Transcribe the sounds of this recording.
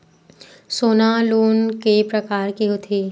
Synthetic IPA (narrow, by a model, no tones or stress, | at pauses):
soːnaloːnkepɾɐkaːɾkeɦʊt̪ʰeː